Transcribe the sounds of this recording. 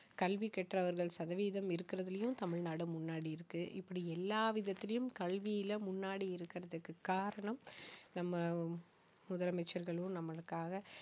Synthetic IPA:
kɐɭʋikɛʈrɐʋɐɾɣɐɭsɐðɐʋiːðɐmɪɾɯkːɪɾɐðɐlɐjɯmt̪ɐmɪɻnaːɽɯmːʊnːaːɽiɪɾɯkːɯʔɪ̰pːɐɽiɛlːaːʋɪðɐt̪ːɪlɐjɯmkɐɭʋɪjɪlɐmʊnːaːɽiɪɾɯkːɪɾɐðɯkːɯkːaːɾɐɳɐmnɐmːɐ | mʊðɐɾɐmɛt͡ʃːɐɾɣɐɭɯ̃nɐmːɐɭɯkːaːɣɐ

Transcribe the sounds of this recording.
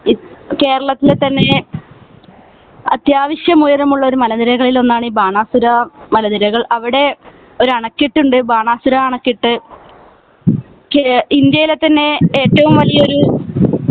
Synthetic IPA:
ke̞ːɾɐɭɐt̪ːilet̪ːɐnːe̞ | ɐ̰t̪jaːʋiɕjɐmujɐɾɐmuɭːɐo̞ɾumɐlɐðiɾɐɣɐɭilo̞nːaːɳiːbaːɳaːsuɾɐmɐlɐðiɾɐɣɐɭɐʋiɽe̞ | o̞ɾuɐɳɐkːiʈːuɳɖɨbaːɳaːsuɾɐːɳɐkːiʈːɨ | kind̪jɐjilet̪ːɐnːe̞eːtːɐʋumʋɐlijɐo̞ɾu

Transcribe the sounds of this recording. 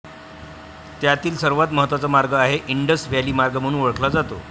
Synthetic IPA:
t̪jat̪iːlsəɾʋat̪məɦət̪ʋat͡səmaɾɡəaɦeʔiɳɖəsʋaliːmaɾɡəm̤əɽ̃ũːnʋəɭəkʰlad͡zat̪o̰

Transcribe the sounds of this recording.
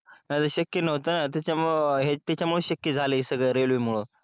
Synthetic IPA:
nad͡z̪əɕəkjənəʋt̪ənat̪̬at͡ɕamɦet̪jat͡ɕjamuɭəɕəkjəd͡zʱalesəɡɭəjɾelʋiːmuɭo

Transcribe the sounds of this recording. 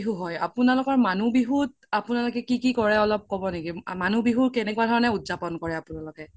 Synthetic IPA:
ɦuɦɔja̰pʊnalɔkɔɹmanubiɦut | apʊnalʊkɛkikikɔɹɛɔlɔp̚kɔbɔnekimanubiɦuɹkɛnɛkuwadʱɔɹɔnɛutzapɔnkɔɹɛapʊnalɔkɛ

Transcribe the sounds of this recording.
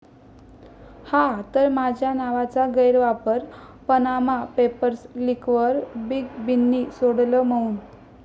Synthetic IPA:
hat̪əɾmad͡ʑʱjanaʋat͡saɡəjɾʋapəɾpənamapepəɾslikʋəɾbiɡbinːisoɽləməuːn

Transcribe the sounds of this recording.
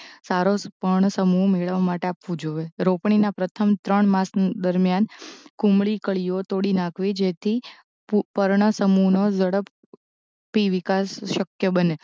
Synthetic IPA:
saɾopəɾɳəsəmumeɭʋamaʈeapʋũd͡ʒoʋeɾopɳinapɾət̪ʰəmt̪ɾəɳmãsd̪əɾmjankũmɭikəɭijot̪oɽinãkʰʋid͡ʒet̪ʰi | pəɾɳəsəmunod͡ʒəɽəp | piʋɪkasʃəkjəbəne

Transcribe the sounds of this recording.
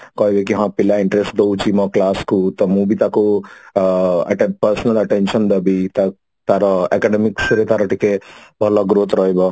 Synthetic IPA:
kɔːjʋekiɦãpilːaiɳʈɾesʈd̪owt͡ʃimɐklaːskut̪ɐmuːbit̪aku | ɐ̰ʈepɐɾsɐnɐlɐʈenʃɐnd̪ɐbit̪ɐ | t̪aɾɐɐkaɖemiksuɾet̪aɾɐʈikebʱɐlaɡɾoːt̪ɾɔːjbɐ

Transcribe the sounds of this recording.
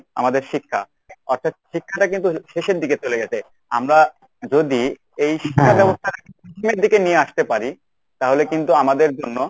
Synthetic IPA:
a̰mad̪eɾʃikʰːa̰ | ɔɾt̪ʰat̪̚ʃikʰːaʈakint̪uʃeʃeɾd̪iket͡ɕoleɡɛt͡ɕʰe | a̰mɾa | d͡ʑod̪i | ejʃi̥kʰːabɛbost̪ʰaʈakint̪upɾit̪ʰimeɾd̪ikenijeaʃt̪epaɾi | t̪aɦolekint̪uamad̪eɾd͡ʑonːo

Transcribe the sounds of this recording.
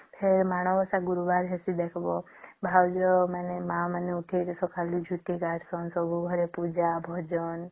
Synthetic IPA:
pʰeɾmaɽ̃ɔʋɔsaɡuɾubaɾɦɛsid̪ekʰbɔ | bʱawd͡ʒɔmanemãmaneuʈʰetɔsɔkʰalid͡ʒʱuʈiɡaʈsɔnsɔbʱuɡʱɔɾepud͡ʒabʱɔd͡ʒɔn

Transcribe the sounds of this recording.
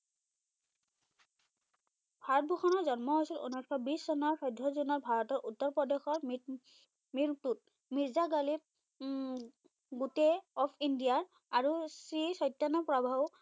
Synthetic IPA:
bʱaɹɔt̚bʱoxʰɔnɔɹzɔnmɔɦojsilṵnɔkʰɔbissɔnaɹsɔjdʱɔzunɔɹbʱaɹɔtɔɹʔutːɔɹpɹɔdexɔɹm | miɹtut̚ | miɹzaɡalip̚ | ɡuteɔpʰindijaɹ | aɹusɹisɔjtːanɔpɹɔbʱaw

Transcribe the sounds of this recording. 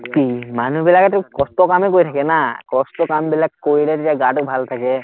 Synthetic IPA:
kimanuɦbilaket̪ukɔst̪ɔkamekoit̪ʰakenakɔst̪ɔkambilakkojlet̪iaɡaʈok̚bʱalt̪ʰake

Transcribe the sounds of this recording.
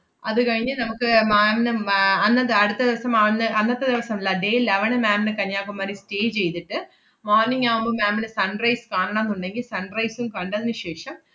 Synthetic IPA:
ɐðɨkɐɻiɲːɐnɐmukːɨmaːmnɨɐnːɐdɐɽut̪ːɐðiʋɐsɐmɐʋɐnːɨɐnːɐt̪ːɐd̪iʋɐsɐmilːɐɖejleʋɐnɨmaːmnɨkɐɲːaːkːumaːɾisteːt͡ɕe̞jt̪iʈːɨ | moːrniŋːaːʋumbomaːmilɨsɐɳrɐjskaːɳɐɳaːmenːuɳɖe̞ŋɡilsɐɳrɐjsumkaːɳɖɐðɨnɨɕeːʂɐm

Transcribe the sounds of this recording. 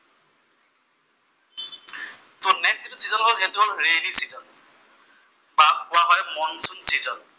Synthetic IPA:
tʊnɛksitusizɔnkɔɦetuɹelisizɔn | bak̚kʊwaɦɔjmɔnsunsizɔn

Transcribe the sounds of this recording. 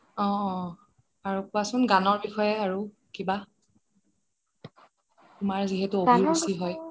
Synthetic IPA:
ɔ̃ | aɹupʊasʊnɡanɔɹbixɔjɛaɹu | kiba | tʊmaɹziɦetʊobʱiɹusiɦɔj

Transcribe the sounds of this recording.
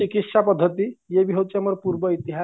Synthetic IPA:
ikit̪ʃapɔd̪ʱːət̪ijebiɦowt͡ʃʰamɔɾpuɾbɔit̪iɦa

